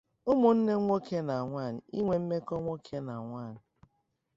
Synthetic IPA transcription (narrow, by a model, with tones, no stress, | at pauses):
ʊ˦mo˨n̩˦ne˦ŋʷo˦ke˦na˨a˨ŋʷa˦˨n̩˨ḭ˦ŋʷe˨m̩˦me˦kɔ˦ŋʷo˦kʰe˦na˨ŋʷa˦˨n̩˨